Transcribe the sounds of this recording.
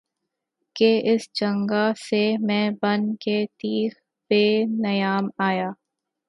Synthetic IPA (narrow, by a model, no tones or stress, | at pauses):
keʔɪst͡ʃɐ̃ŋɡasemɛ̃ːbɐnket̪iːx | peːnɐjaːmaːjaː